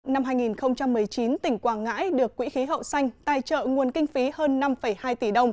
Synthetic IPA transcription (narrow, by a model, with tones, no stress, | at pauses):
na˧mɦaː˧jŋi˨˩nxə˧wŋ͡mt͡ɕa˧mːɨ˨˩əjt͡ɕi˨˦nt̪ï˧˩ŋ̟kwaː˧˩ŋa̰ː˧˥jɗɨ˨˩ək̚ːwḭ˧˥xi˨˦ɦə̰˧˨wsa˧jŋ̟t̪a̰ː˧˨jt͡ɕə̰ː˧˨ŋu˨˩ənkï˧ŋ̟fi˨˦həː˧nːa˧mfə˧˩jhaː˧jt̪i˧˩ɗə˧wŋ͡m